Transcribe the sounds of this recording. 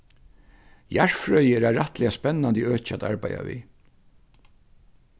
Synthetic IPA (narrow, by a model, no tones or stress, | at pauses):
jaɹ̥fɹœʏjəɛɾaɹaht̪lɛaspɛnːand̪iøːt͡ɕat̪a̰ɹpaja̰ʋḭ